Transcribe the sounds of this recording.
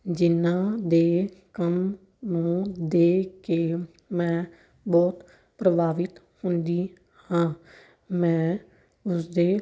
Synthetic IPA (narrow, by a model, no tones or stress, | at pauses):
d͡ʒɪnãːd̪eːkəm | nũːd̪eːkeː | mɛ̃ː | bɔːt̪ | pɾəbʱaːʋɪt̪ | hʊnd̪iː | hãː | mɛ̃ː | ʊsd̪eː